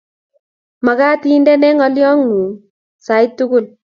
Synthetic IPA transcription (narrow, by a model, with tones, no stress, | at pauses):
ma˨ka˦ti˦ndɛ˦nɛ˦ŋɔ˦ljɔ˦ŋu˨ | sa˨ɪtːʊkʊ˦l